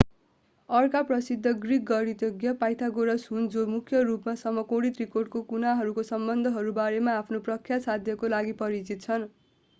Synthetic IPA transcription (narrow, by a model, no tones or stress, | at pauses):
ʌrkaprʌsid̪ʱːʌɡrik̚ɡʌɾit̪joɡjʌpajt̪ʰaɡoɾʌsɦund͡zomukʰjʌrupmasʌmːʌkoɽit̪rikorɖ̚kokunaɦʌɾukosʌmbʌnd̪ʱʌɦʌɾubaɾemaːpʰnoprʌkʰːjasad̪ʱjʌkolaɡipʌɾit͡sit̪̚t͡sʰʌn